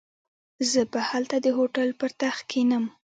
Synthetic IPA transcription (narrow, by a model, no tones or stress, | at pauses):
zəbəhalt̪ad̪əɦoʈalpəɾt̪axkʰinəm